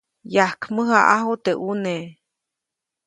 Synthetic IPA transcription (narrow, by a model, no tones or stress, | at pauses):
jahkməɦaʔaɦot̪eʔune